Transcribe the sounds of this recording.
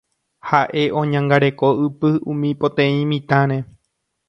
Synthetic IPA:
haʔe̞õ̞ɲãŋɡaɾe̞ko̞ɨpɨũmĩpot̪ẽĩmĩt̪ãɾ̃ẽ̞

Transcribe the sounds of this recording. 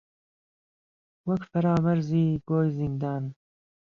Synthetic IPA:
wɐkfɐɾɑːmɐɾziːɡoːjzind̪ɑːn

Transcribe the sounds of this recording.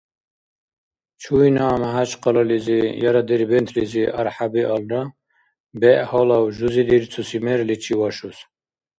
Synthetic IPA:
t͡ʃʰuinaːmaɦat͡ʃqɑlɐlizijɐɾɐd̪iɾbent̪ʰliziʔɐ̰ɾħabiʔalɾa | beʔhɔlawʒuzid̪iɾt͡sʰusimeɾlit͡ʃʰiwaʃus

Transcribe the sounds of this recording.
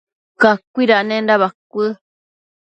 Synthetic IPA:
kakʷiɾaʔnẽndaβak̚ʷɨ

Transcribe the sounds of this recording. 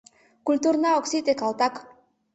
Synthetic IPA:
kult̪uɾnaoksit̪ekalt̪ak

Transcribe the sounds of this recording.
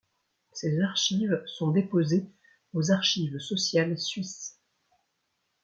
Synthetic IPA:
sezaʁʃivsɔ̃d̪epoze | ozaʁʃivsɔsjalsɥis

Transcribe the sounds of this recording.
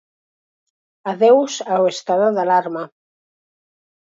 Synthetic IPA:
aðewsawest̪aðoðalaɾma

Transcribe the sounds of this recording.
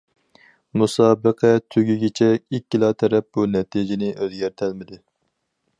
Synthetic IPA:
musɑːbəqʰɛt̪ʰyɡʲiɡʲɪt͡ʃʰɛikʲːilˠɑt̪ʰɛɾɛp̚bunɛt̪ʰid͡ʒɪnɪʔøzɡʲæɾt̪ʰælmɪd̪ɪ

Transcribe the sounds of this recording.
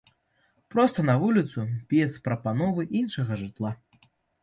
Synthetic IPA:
pɾɔst̪ɐnɐvulʲit̪supʲjɛspɾɐpanɔvɨʔinʂɐɣɐʐɨt̪lˠa

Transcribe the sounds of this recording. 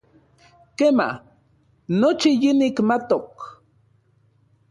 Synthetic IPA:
kema̰ | not͡ʃijinikmat̪ok

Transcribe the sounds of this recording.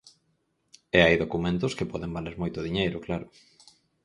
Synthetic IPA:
eajðokumẽnt̪ʊskɪpɔðembaleɾmojt̪ʊðiɲejɾʊklaɾʊ

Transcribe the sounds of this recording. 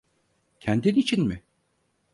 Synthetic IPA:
cʰænd̪init͡ʃʰinmɪ

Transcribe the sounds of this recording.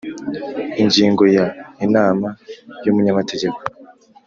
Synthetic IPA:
iɲɟiːŋɡo̞jainaːmaɾjumuɲamate̞ɟe̞ko̥

